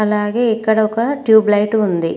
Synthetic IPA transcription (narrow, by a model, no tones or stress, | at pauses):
ɐlaːɡeːɛkːɐɽɐɔkɐʈjuːblɐjʈund̪i